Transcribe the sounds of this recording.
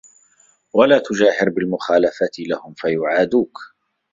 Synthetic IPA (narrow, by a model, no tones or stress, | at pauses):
walaːt̪ʊd͡ʒaːhɪɾbɪlmʊxaːlafat̪lahʊmfajʊʕaːd̪uːk